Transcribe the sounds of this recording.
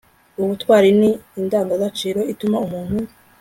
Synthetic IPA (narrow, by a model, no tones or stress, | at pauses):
uβutwaːɾiniːndaːŋɡaɡat͡ʃiːɾo̞itumaumuːn̥hu